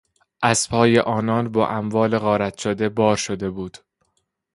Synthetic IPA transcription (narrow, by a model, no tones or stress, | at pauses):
ʔæz̥pʰɒːje̞ʔɒːnɒːnbɒːʔæmvɒːle̞ɣɒːɾæt̪ʰʃod̪e̞bɒːɾʃod̪e̞buːd̪̥